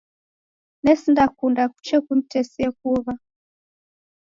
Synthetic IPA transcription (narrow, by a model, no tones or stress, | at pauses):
nɛsindakundaku̥t͡ʃɛkun̩tɛsiɛkuβa